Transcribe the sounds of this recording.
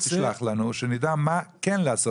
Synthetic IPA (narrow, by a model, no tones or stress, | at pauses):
siʃlaχlanuʃɛnidamakɛnləasɔ